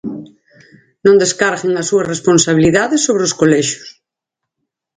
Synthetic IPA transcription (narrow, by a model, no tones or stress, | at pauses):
nõnd̪eskaɾɣeŋasuɐzresponsaβ̞iliðaðesːoβɾeoskolɛʃo̥s